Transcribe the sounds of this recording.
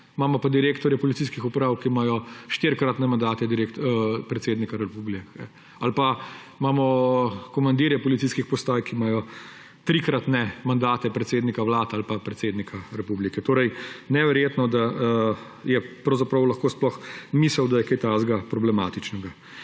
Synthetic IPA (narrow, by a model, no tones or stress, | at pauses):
maːmɔpad̪iɾeːkt̪ɔɾjɛpɔlit̪siːskixupɾaːwkimajɔʃt̪eɾkɾat̪nɛmand̪aːt̪ɛd̪iɾeːkt̪pɾɛt̪seːd̪nikaɾɛpublikɛ | alpa | maːmɔkɔmand̪iɾjɛpɔlit̪siskixpɔst̪aːjkimaːjɔ | t̪ɾikɾat̪nɛmand̪aːt̪ɛpɾɛt̪seːd̪nikaʋlaːt̪alpapɾɛt̪seːd̪nikʰaɾɛpublikɛt̪oːɾɛjnɛʋɛɾjeːt̪nɔd̪a | jɛpɾɐwzapɾɐwlɐxkoːsplɔxmisəwd̪ajɛkajt̪azɡapɾɔblɛmaːt̪it͡ʃnɛɡa